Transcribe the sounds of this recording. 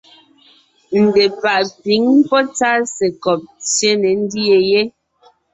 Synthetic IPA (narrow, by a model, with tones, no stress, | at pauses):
n̩˨de˨pa˨ʔpi˨˦ŋ˦pɔ˦t͡sa˦sɛ˨kɔ˨p̚t͡sje˦nɛ˨n̩˦di˦e˨je˦